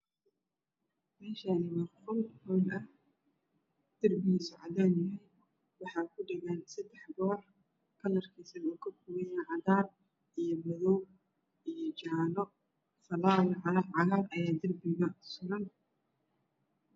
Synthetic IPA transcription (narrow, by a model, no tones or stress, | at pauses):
mɛːʃɐɪmɐqʊlhɔːlɐh | d̪̥ɐrbɪiːsʊʕɑ̰ðaːnjɐɦɛj | wɑħɑːkʰʊɖɐɣaːnsɐd̪ɛħbɔːr | kʰɐlɐrkʰiːsɐnuːkʰɐkʰʊwɛjɐʕɑðaːn | ʔijɔmɐðɔwb̚ | ʔijɔt͡ʃaːlɔ | fɐlaːlʕʕɑɾaːrʔɐjaːd̪ɐrbɪɣɐsʊɾɐn